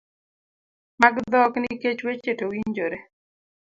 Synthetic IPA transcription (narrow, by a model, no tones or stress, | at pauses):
maɡd̪ɔkniket͡ʃwet͡ʃetowiɲd͡ʒoɾe